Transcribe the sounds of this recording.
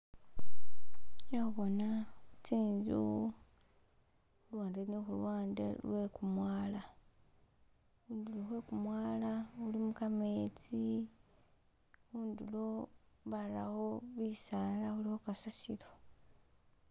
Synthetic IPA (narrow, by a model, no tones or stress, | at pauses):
jauβo̞naut͡siːɲzṵ | xulwaːndenixulwaːndḛlwekumwaːla | uːnduloxwekumwaːlaulimukameːt͡si | uːndulo̞βala̰ho̞βisaːlaxulihokasasilo